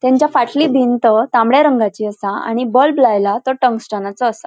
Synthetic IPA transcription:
t̪ɛ̃ɲt͡ɕjafaʈlibʱint̪ət̪ãmɭjaɾəŋɡat͡ɕiːəsaa̰ɽ̃ibəlblajlat̪əʈəŋksʈənat͡səːsa

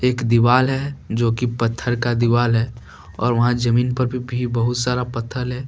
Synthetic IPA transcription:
eːkd̪ɪʋaːlɦɛd͡ʒoːkipɐt̪ʰːəɾkad̪ɪʋaːlɦɛ | ɔːɾʋɐɦãd͡ʒəmiːnpɐɾbʱibʱibəɦʊt̪saːɾapɐt̪ʰːəlɦɛː

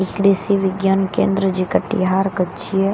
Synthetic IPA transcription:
ɪkɾisiʋɪɡjənkḛ̃ːnd̪ɾəd͡ʒikəʈːḭɦaːɾkət͡ʃie

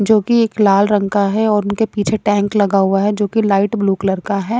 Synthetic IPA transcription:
d͡ʒoːkieːklaːlɾɐ̃ŋkaɦɛɔːɾʊnkepiːt͡ʃʰeʈɛ̃ːŋklɐɡaɦʊaɦɛd͡ʒoːkilaːɪʈbluːklɐɾkaɦɛː

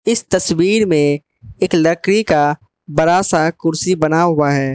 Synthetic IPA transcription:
ɪst̪ɐswiːɾmẽ | eːklɐkɾika | bɐɾaːsakʊɾsibɐnaɦʊaɦɛː

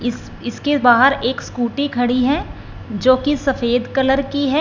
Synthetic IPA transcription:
ɪs | ɪskebaːɦəɾeːkskuːʈikʰɐɽiɦɛ | d͡ʒoːkisɐfeːd̪kɐləɾkiɦɛ

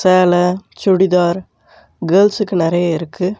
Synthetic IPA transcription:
seːlɐt͡ʃʊɽɪðaːɾ | ɡelsɯkːɯnɪɾɐjɐɪɾɯkʰːɯ

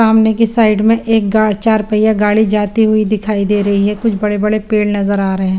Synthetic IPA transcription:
aːmnekisaːɪɖmẽʔeːk̚ɡaːt͡ʃaːɾpəɪjaɡaːɽid͡ʒaːt̪iɦʊid̪ɪkʰaːid̪eːɾɐɦiɦɛkʊt͡ʃʰbɐɽebɐɽepeːɽnɐzəɾaːɾɐɦeɛ̃ː

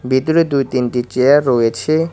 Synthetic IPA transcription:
bʱit̪uɾed̪ujt̪inʈit͡ɕeaɾːɔjet͡ɕʰe

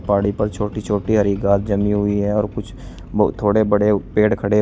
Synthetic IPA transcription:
paːɽipɐɾt͡ʃʰoːʈit͡ʃʰoːʈiɦɐɾiɡaːt̪̚d͡ʒɐmiɦʊiɦɛɔːɾkʊt͡ʃʰ | bt̪ʰoːɽebɐɽepeːɽkʰɐɽe

